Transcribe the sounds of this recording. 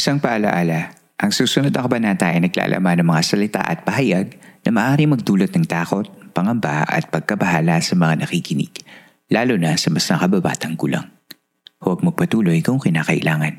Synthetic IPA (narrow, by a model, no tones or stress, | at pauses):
ʔɪ̥saŋpɐʔɐlɐ̰ʔaːlɐ | ʔɐŋsuːsʊnod̪ʔɐkɐbɐnant̪aʔɐjnɐɡla̰ːlʔɐ̰manɐŋmɐŋasɐlɪt̪a̰ʔɐt̪̚pɐhɐjaɡ̚nɐmɐʔaːɾimɐɡ̚d̪uːlot̪̚nɐŋt̪aːko̞t̪̚pɐŋɐmba̰ʔɐ̰t̪̚pɐɡ̚kɐbɐɦaːlɐsɐmɐŋanɐkikɪnɪ̰ɡ̥ | laːlʊnɐsɐmɐsnɐkɐbɐba̰ːt̪ɐŋkʊlɐ̰ŋ | hʊwɐɡ̚mɐɡ̚pɐt̪uːlo̞jkʊŋkɪnaːkɐʔɪ̰lʔaːŋɐn